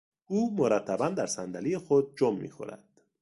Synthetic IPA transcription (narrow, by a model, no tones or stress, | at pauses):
ʔuːmoɾæt̪ʰːæbænd̪æɾsænd̪ælijexod̪̚d͡ʒomːḭːxo̰ɾæ̰d̪̥